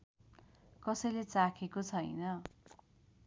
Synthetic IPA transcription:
kʌsʌjlet͡sakʰekot͡sʰʌjnʌ

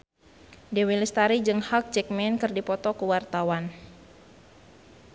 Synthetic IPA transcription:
dɛwilist̪aɾid͡ʒɨŋhak̚t͡ʃɛk̚mɛnkɨrdipɔt̪ɔkuwart̪awan

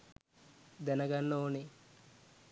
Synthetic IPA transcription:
d̪ɛnɐɡɐnːoːni

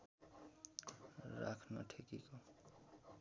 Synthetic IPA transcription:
ɾa̰kʰnʌʈʰekiko

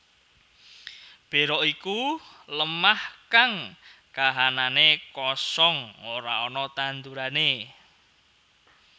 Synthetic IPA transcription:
b̥e̤ɾɔʔiku | ləmahkaŋ | kaɦananekɔsɔŋoɾaɔnɔt̪ant̪uɾane

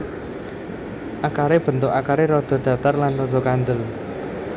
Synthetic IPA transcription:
ʔakaɾeb̥ə̤nt̪ʊkakaɾeɾɔd̪̥ɔ̤ɖ̪̥ä̤t̪arlanrɔd̪̥ɔ̤kand̪əl

